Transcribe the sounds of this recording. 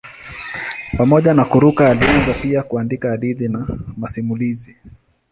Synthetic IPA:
pamɔʄanakuɾukaːlianzapiakuandikaːɗiðinamasimulizi

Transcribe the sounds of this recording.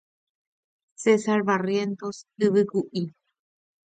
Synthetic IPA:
sesaɾβarjent̪osɨβɨkuʔi

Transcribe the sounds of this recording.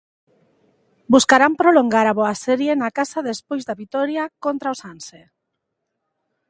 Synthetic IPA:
buskaɾampɾoloŋɡaɾaβoasɛɾjenakasaðespojzðaβit̪ɔɾjakont̪ɾaosanse

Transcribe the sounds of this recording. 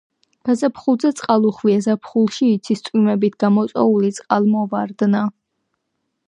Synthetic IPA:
ɡ̥azapʰχulˠd̪zɛt̪sʼqʼalˠuχviɛzapʰχulˠʃiːt̪sʰist̪sʼwimɛbit̪ʰɡ̥amɔt̪sʼɛ̰ulit̪sʼqʼalˠmɔvaɾd̪na

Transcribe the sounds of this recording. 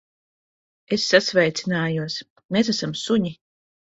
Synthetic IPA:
esːasvɛjt̪sʲinaːjuɔs | meːs̬æsamsuɲi

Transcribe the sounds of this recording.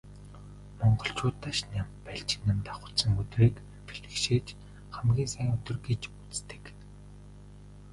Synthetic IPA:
mɔɴɢɞ̆ɬt͡ɕʊːt̪ːaːʃnampæɬt͡ɕɪ̥̆nːămt̪ḁχʊ̥̆sə̆ŋɵt̪riːk | pʰeɮɘ̆kʃeːt͡ɕ | χæmɡʲiːnsæjɪ̆ŋɵt̪ɵ̆rɡet͡ɕut͡st̪ɘ̥̆k

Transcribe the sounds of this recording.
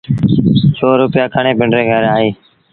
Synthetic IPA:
soːɾʊpɪjaːkʰəɳẽːpɪɳɖɾeːɡʱəɾaːɦeː

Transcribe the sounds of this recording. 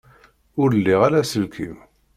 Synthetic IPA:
ʊɾlːiʁalæsəlkʰim

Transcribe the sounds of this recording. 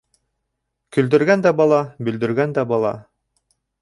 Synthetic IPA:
kɵ̆ld̪ɘ̆ɾɡænd̪æbɑlˠɑbɵ̆ld̪ɵ̆ɾɡænd̪æbɑlˠɑ̰

